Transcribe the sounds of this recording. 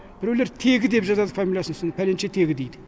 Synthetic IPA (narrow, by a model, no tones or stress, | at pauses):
b̥ɪɾweleɾt̪ʰe̞ɡʲɪd̪e̞pʒɑt̪ɑd̪əfamʲilʲjasənsnpʰælent͡ʃet̪ʰe̞ɡʲɪd̪ejd̪ɪ